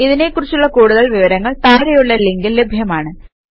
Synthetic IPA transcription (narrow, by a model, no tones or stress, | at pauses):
iðine̞kːurit͡ɕːuɭːɐkuːɽuðɐɭʋiʋɐɾɐŋːɐɭt̪aːɾɐjuɭːɐlːeŋɡilːe̞bʱjɐmaːɳɨ